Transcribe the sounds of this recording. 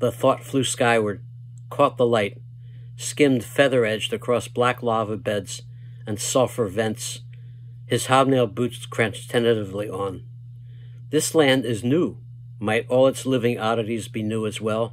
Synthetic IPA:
ðəθɔtflʉskaɪwə˞d̚ | kʰɔt̪̚ðəlaɪt̚ | skɪ̃md̥fɛðə˞ɛd͡ʒdɨkʰɹ̥ɔsb̥læklɑvəbɛdz̥ | ɨ̃nsɔfə˞vɛ̃nts | hɨz̥hɑb̚neɪlˠbutskʰɹ̥ɛ̃nt͡ʃtʰɛ̃nɨɾɨvliʔə̃n | ðɪslæ̃ndɪznu | maɪɾɔlˠətslɪvɪ̃ŋɑɾɨɾizbinuɨzwɛlˠ

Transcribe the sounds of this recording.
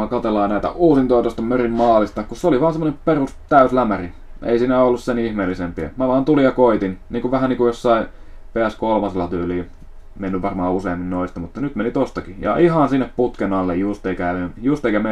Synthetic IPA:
ɑkɑt̪elɑinæˑit̪æ̰ʔuːsint̪oɑt̪oist̪ɑmørimmɑːlist̪ɑkusseoliʋɑːnsemːonemperust̪æyslæmæri | ḛisiːnæolːussenihmeːlːisempiæ̰mæʋɑːnt̪ulijjɑkoit̪inniːŋkuʋʋæhæniːŋkujosːɑi | peæskolmɑselːɑt̪yːliː | menːyʋʋɑrmɑːuseːmːinnoist̪ɑmut̪ːɑnyt̪menit̪ost̪ɑkijɑ̰ʔihɑnsinːepput̪kenɑlːejjust̪eikæeljust̪eˑikæme

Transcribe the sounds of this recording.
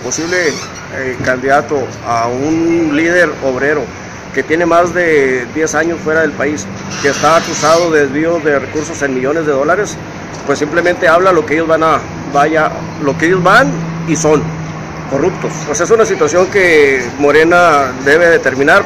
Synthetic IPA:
po̞siβle | kand̪iðat̪o̞ | aunlið̞e̞ɾoβɾe̞ɾo̞ | ke̞t̪je̞ne̞mazðe̞ðje̞saɲo̞sfwe̞ɾaðelpais | keːst̪aːkusað̞o̞ðezβioðe̞rekuɾso̞se̞nmiʝo̞ne̞zðe̞ðo̞laɾe̞s | pwesːimplemẽnt̪eaβlalo̞keeʝozβana | βaja | lokeeʝozβaniso̞n | ko̞rup̚t̪ospwe̞se̞sunasit̪wasjo̞ŋkemo̞ɾe̞nad̪e̞βe̞ðet̪e̞ɾmĩnaɾ

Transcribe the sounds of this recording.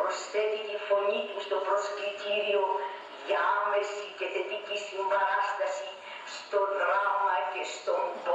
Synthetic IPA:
ost̪et̪it̪ifo̞ɲit̪ust̪opɾoskɾit̪iɾio | ðjamesiceθepicisimbɐɾast̪ɐsi | st̪oðɾamɐcest̪omb

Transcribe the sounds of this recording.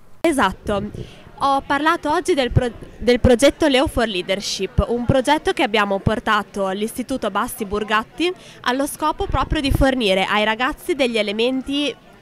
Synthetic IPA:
ezat̪ːo | ɔpːarlaːt̪oɔd͡ʒːid̪elpod̪elpɾod͡ʒɛt̪ːoleoforliːd̪erʃipːumpɾod͡ʒɛt̪ːok̟eabːjaːmoport̪aːt̪olist̪it̪uːt̪obasːiburɡat̪ːi | a̰lːoskɔːpopɾɔːpɾjod̪iforniːɾeʔajɾaɡat̪sːid̪eʎːielement̪i

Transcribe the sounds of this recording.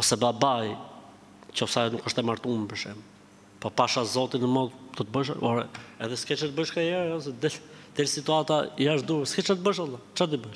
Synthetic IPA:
ɔsɛbabaj | cɔfsajnukəʃt̪ɛmaɾt̪umpəʃɛm | pɔpaʃazɔt̪inəmɔðd̪ɔt̪bəʃa̰pɔɾɛɛðɛskɛt͡ʃat̪bəʃkajɛɾajɔsɛd̪ɛd̪̥ɛlsit̪uat̪aijaʃd̪uɛskɛt͡ʃat̪̚bəʃ̬alˠːat͡ʃad̪ibəʃ

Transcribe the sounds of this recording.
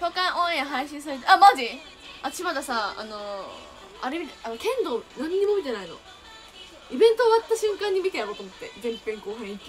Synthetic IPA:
tokãɰ̃ʔõẽɦaiɕĩɰ̃s̬aɾe̞t̪̬eʔamaʑd͡ʑi | at̪ḁɕimad̪asaa̰no̞ | a̰ɾemʲit̪eanokẽ̞nd̪o̞naɲ̟iɲ̟imo̞mʲit̪e̞naino̰ | ibẽ̞nt̪oːβat̪ːaɕɨ̃ŋkãɲ̟ːimʲit̪ejaɾoːt̪omot̪ːe̞zẽmpẽŋkoːɸẽikʲː

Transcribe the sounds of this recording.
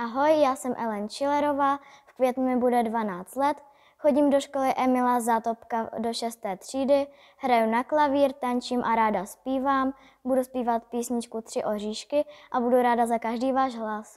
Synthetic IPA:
ʔaɦo̞jːaːsɛmʔɛlɛnt͡ʃɪlɛɾo̞vaːfkvjɛt̪numɪbudɛdvanaːt͡st̪lɛt̪ | xo̞ɟimdo̞ʃkolɪʔɛmɪlazaːt̪opkado̞ʃɛst̪ɛːt̪r̝̥iːdɪ | ɦɾajunaklaviːɾt̪aɲt͡ʃimʔaɾaːdaspiːvaːm | buduspiːvat̪piːsɲɪt͡ʃkut̪r̝̥ɪʔo̞riːʃkɪʔabuduɾaːdazakaʒdiːvaːʒɦlas

